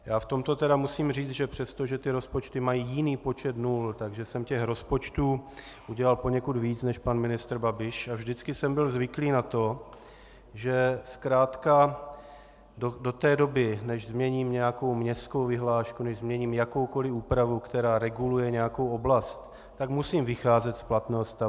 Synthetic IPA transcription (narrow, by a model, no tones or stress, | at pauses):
jaːft̪o̞mt̪o̞t̪ɛɾamusiːmriːt͡sʒɛpr̥ɛst̪o̞ʒɛt̪ɪɾo̞spo̞t͡ʃt̪ɪmajiːjɪniːpo̞t͡ʃɛt̪nuːlt̪aɡʒɛsɛmcɛxɾo̞spo̞t͡ʃt̪uː | ʔuɟɛlalpo̞ɲɛkud̪viːt͡snɛʃpanmɪnɪst̪ɾ̩babɪʃavʒdɪt͡skɪsɛmbɪlzvɪkliːnat̪o̞ | ʒɛskɾaːt̪ka | dodo̞t̪ɛːdo̞bɪnɛʒzmɲɛɲiːmɲɛako̞wmɲɛsko̞wvɪɦlaːʃkunɛʒzmɲɛɲiːmjako̞wko̞lɪuːpɾavukt̪ɛɾaːɾɛɡulujɛɲɛjakowo̞blast̪ | t̪ːaɡmusiːmvɪxaːzɛt̪splat̪nɛːɦost̪a